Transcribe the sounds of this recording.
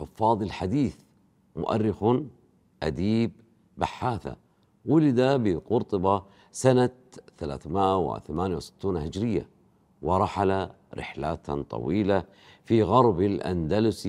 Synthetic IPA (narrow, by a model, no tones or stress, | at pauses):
ħʊfːɑːðˤɪlħad̪iːθ | mʊ̰ʔa̰rːɪxʊ | ʔad̪iːb̚ː | aħːaːθa̰ | wʊlɪd̪abɪqʊɾt̪ˤɑbɑ | sana | θala̰ːθmɪʔaw̰θamaːnjawsɪ̥t̪ːuːnhɪd͡ʒɾɪjːa̰ | wɪɾˤɑħala | ɾɪ̰ħlaːt̪t̪ˤɑ̰wiːla | fiɣɑɾˤbɪlʔa̰nd̪alʊs